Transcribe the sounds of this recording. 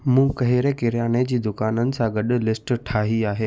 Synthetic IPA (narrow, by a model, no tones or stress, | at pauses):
mũːkɐɦɪɾekɪɾjaːned͡ʑiːd̪ʊkaːnənɪ̆sãɡɐɗlɪsʈʈʰaːɦiaːɦeː